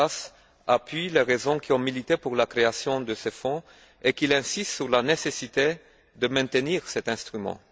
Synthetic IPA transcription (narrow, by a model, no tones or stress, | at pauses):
as | apɥileʁezɔ̃kʲiɔ̃milit̪epuʁlakχeasjɔ̃d̪əsefɔ̃ | ekilɛ̃sist̪syʁlanesesit̪e | d̪əmɛ̃t̪əniʁsɛt̪ɛ̃st̪χymɑ̰̃